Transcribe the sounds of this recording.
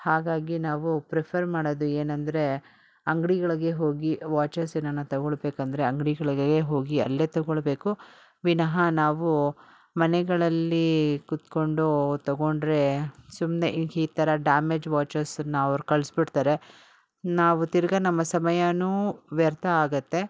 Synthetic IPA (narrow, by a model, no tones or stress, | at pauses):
haːɡaːɡinaːʋupɾepʰɐɾmaːɽod̪ueːnɐnd̪ɐɾe̞ | ɐŋɡɽiɡɐɭɐɡe̞ɦo̞ːɡiʋaːt͡ʃɐɾsenɐnːɐt̪ɐɡoɭbeːkɐnd̪ɐɾe̞ɐŋɡɽiɡɐɭɐɡɡeɦo̞ːɡiɐ̰lːeːt̪ɐɡoɭbe̞ːku | ʋinɐɦɐnaːʋu | mɐnɛɡɐɭɐlːikut̪ko̞ɳɖut̪ɐɡoɳɖɾe̞sumneʔiiːt̪ʰɐɾɐɖaːmeːd͡ʒʋaːt͡ʃɐɾsɐnːɐɐʋɐɾukɐɭsbiɽt̪aːɾe̞ | naːʋut̪iɾɡɐnɐmːɐsɐmɐjɐnuːʋɛɾt̪ʰɐaːɡɐt̪ːe̞